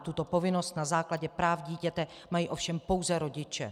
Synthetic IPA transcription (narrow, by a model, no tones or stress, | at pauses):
t̪ut̪o̞po̞vɪno̞st̪nazaːklaɟɛpɾaːfɟiːcɛt̪ɛ | majiːʔo̞fʃɛmpo̞wzɛɾo̞ɟɪt͡ʃɛ̰